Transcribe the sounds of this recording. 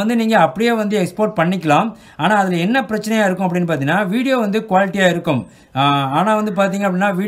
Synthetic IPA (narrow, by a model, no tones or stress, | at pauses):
ɐnd̪ɯniːŋɡɐɐpːɐɽɪjeːʋɐnd̪ɯɛkspoːʈ̚pɐɳːɪkʲːɐɭãː | aːnaːɐðɪlɐɛnːɐpɪɾɐt͡ʃːɐnɐjaːɪɾɯkːʊ̃ɐpːɐɽɪnːɯp̬aːɾt̪iːnaːʋiːɽɪjoːʋɐnd̪ɯkʋaːlɪʈːɪjaːɪɾɯkːʊm | aːnaːʋɐnd̪ɯpaːɾt̪̬iːŋɡɐp̬ːɐɽɪnːaːʋiː